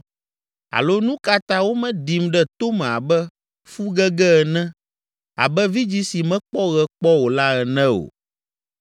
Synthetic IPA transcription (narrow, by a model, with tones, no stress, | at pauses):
a̰˨lo˦nũ˦ka˦t̪ã˦wo˦mɛ̃˦ɖi˨mɖɛ˦t̪o˦mɛ̃˨a˨bɛ˦ | fu˦ɡɛ˦ɡɛ˦ɛ˨nɛ̃˦ | a̰˨bɛ˦vi˦d͡ʑi˦si˨mɛ̃˦k͡pɔ˦ɣɛ˦k͡pɔ˦wo˨la˦ɛ˨nɛ̃˦o̰˨